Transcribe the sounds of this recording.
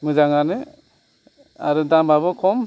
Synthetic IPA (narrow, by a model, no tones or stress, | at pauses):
mɯzaŋanɯ | a̰ɾɯdambaβɔkʰɔm